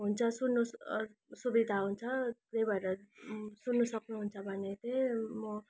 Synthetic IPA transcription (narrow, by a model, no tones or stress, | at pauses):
ɦunt͡sʰʌsunːu | subid̪ʱaɦunt͡sʰʌtebʱʌeɾʌsunːusʌknuɦunt͡sʰʌbʱʌnet̪emʌ